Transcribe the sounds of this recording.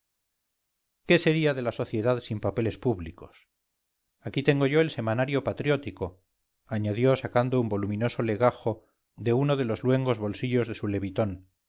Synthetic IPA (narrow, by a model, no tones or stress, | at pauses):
ke̞se̞ɾiaðe̞laso̞θje̞ðaðsimpape̞le̞spuβliko̞s | akit̪e̞ŋɡo̞ʝo̞else̞manaɾjo̞pat̪ɾjo̞t̪iko̞ | aɲaðjo̞sakand̪oumbo̞lumĩno̞so̞le̞ɣaxo̞ | ðe̞uno̞ðe̞lo̞zlwe̞ŋɡo̞zβo̞lsiʎo̞zðe̞sule̞βit̪o̞n